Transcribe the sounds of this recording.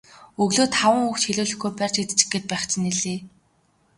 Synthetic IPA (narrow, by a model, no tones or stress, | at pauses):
ɵɣɮoːt̪χawə̆ŋuxt͡ɕxiɮuːɮɵ̆xɡujpær̥ʲt͡ɕit̪t͡ɕɘ̥̆ɡet̪̚pæːχt͡ɕʰɪ̆niɮeː